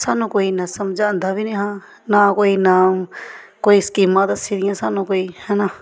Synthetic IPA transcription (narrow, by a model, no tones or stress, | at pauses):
saːnõkoinɐsɐmd͡ʒãnd̪ʱabinẽɦã | nakoinaːmkoːiskimãt̪siɾijãsaːnõkoːihɐna